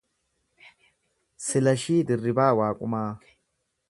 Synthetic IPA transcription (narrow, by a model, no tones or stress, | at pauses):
sɪlɐʃiːd̪ɪrːɪbaːwaːkʼʊmaː